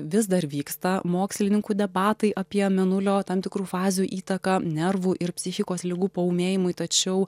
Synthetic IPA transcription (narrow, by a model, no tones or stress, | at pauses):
ʋʲɪs̬d̪ɐrʋʲiːkst̪ɐmoːksʲlʲɪnʲɪŋkuːd̪ʲɛbɑːt̪ɐɪʔɐpʲiɛmʲɛnʊlʲoːt̪ɐmt̪ʲɪkɾuːfɑːzʲɪjuːʔiːt̪ɐkɐnʲɛrʋuːʔɪɾpʲsʲɪxʲɪkoːslʲɪɡuːpɐʊːmʲeːjɪmʊɪt̪ɐt͡ʃʲɛʊ